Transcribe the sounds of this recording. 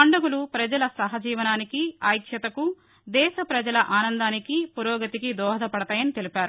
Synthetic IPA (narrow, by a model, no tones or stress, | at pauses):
ɐɳɖɐɡulupɾɐd͡ʒɐlɐsɐɦɐd͡ʒiːʋɐnaːnikiaːjkʃjɐt̪ɐku | d̪ɛːʃɐpɾɐd͡ʒɐlɐʔaːnɐnd̪aːnikipuɾɔːɡɐt̪ikid̪ɔːɦɐd̪ɐpɐɽɐt̪aːjɐnit̪e̞lipaːɾu